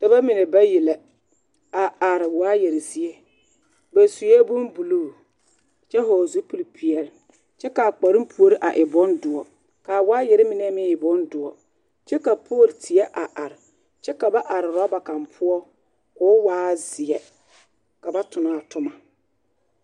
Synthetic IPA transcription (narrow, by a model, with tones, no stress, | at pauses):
d̥a˨ba˦mɪ˨ne˨ba˦ji˨lɛ˨ | a˨a˨ɾɪ˨waː˦je˨ɾɪ˨zi˦e˦ | ba˨su˨ɛ˦bʊ˦mbu˨luː˦˨ | t͡ʃɛ˦ɦɔ˨zu˦pu˨lpʰi˨ɛ˨ɾɪ˨ | t͡ʃɛ˦ka˨k͡pa˨ɾɪ˦m˦pʰu˨o˦ɾɪ˦ʔa˨ʔɪ˨bɔ˦ndʊ˨ɔ˨ | kaː˨waː˦je˨ɾɪ˦mɪ˦nɛ˦mɪ˦ɪ˨bʊ˦ndʊ˨ɔ˨ | t͡ʃɛ˦ka˨pʰoː˦˨ltʰɪ˨ɛ˦ʔa˨ʔa˨ɾɪ˨ | t͡ʃɛ˦ka˨ba˦ʔa˨ɾɪ˨ɾɔ˦ba˨ka˨mpʰʊ˦ɔ˦ | kʊ˦waː˦zɪ˨ɛ˨ | ka˨ba˦tʰʊ˨na˦˨tʰʊ˦ma˨